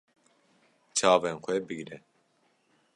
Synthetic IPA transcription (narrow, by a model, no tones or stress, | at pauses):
t͡ʃʰɑːvenxʷɛbɨɡɾɛ